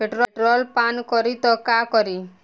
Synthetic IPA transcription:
eʈɾɔʈɾɔlpankɔɾit̪ɔkakɔɾi

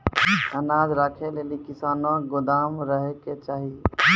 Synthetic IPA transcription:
ənaːd͡ʒɾaːkʰeleːlikɪsaːnãɡʊd̪aːmɾəɦeket͡ʃaːɦi

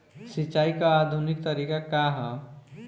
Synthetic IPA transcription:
sit͡ʃːaːikaːd̪ʱunɪk̚t̪əɾikakaɦɔ

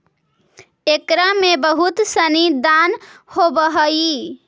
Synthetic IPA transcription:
ekɾamebəɦut̪sənid̪anhobəɦəi

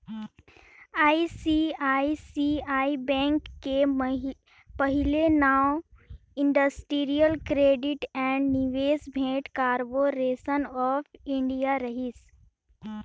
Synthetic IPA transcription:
aːisiaːisiaːibɛ̃ŋkːe | pəɦɪlenaːw | ɪ̃ɳɖəsʈiːɾijəlkɾeːɖɪʈɛ̃ɳɖniʋeːsbʱẽːʈkaːɾpoːɾeːsənɔːpʰɪ̃ɳɖijaɾɐɦis

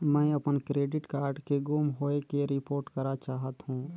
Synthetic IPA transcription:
mɛ̃ɐpənkɾeːɖɪʈkaːɾɖkeɡuːmɦoːekeɾɪpoːɾʈkəɾat͡ʃaːɦət̪ɦũː

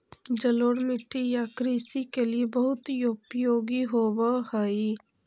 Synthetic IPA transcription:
d͡ʒəloːɽmɪʈːijakɾiːsikeliebəɦʊt̪joːpjoːɡiɦoːwahai

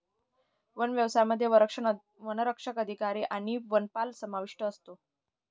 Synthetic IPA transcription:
ʋənʋjəʋsajaməd̪ʱːjeəɾəkʂə | ʋənəɾəkʂəkəd̪ʱikaɾiʔaɽ̃iʋənpalsəmaʋiʂʈəːst̪o

